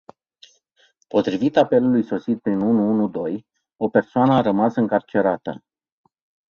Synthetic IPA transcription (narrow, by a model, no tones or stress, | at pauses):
po̞t̪ɾivit̪ape̞lulujso̞sit̪̚pɾinunuunud̪o̞j | o̞pe̞rsoanəaɾəmasɨŋkart͡ʃe̞ɾat̪ə̰